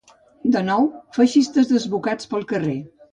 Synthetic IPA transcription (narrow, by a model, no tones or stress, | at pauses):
d̪ənɔwfəʃist̪əzðəzβukat͡spəlˠkəre